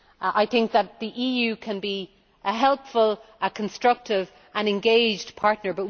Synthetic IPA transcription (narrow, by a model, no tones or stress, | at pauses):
ʔaɪθɪ̃ŋk̚ðət̪̚ðiʔijʉːkʰə̃nbi | ʔəɦɛlˠpfələkʰə̃nstɹ̥ʌk̚tɪv | ʔə̃nɛ̃nɡeɪd͡ʒpʰaɹtⁿnə˞bʌt̚